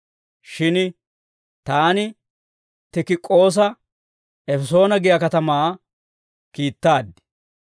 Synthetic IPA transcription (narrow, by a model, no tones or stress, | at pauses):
ʃɪn | t̪aːnɪ | t̪ɪkɪkʼːo̞ːs̬ɐ | ɛfɛso̞ːnɐɡɪjɐkɐt̪ɐmaː | kiːt̪ːaːd̪ɪ̥